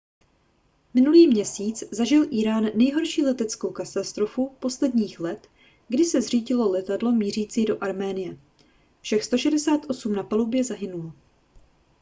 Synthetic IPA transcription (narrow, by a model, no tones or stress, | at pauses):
mɪnuliːmɲɛsiːt͡szaʒɪlʔiːɾaːnːɛjɦo̞ɾʃiːlɛt̪ɛt͡sko̞wkat̪ast̪ɾo̞fupo̞slɛdɲiːxlɛt̪ | ɡdɪsɛzr̝iːɟɪlo̞lɛt̪adlo̞miːr̝iːt͡siːdo̞ʔaɾmɛːnɪjɛ | fʃɛxst̪o̞ʃɛdɛsaːt̪ʔo̞sumnapalubjɛzaɦɪnulo